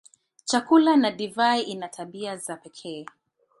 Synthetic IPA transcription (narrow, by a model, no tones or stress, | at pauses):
t͡ʃakulanadivaiʔinatʰaɓiazapɛkʰɛː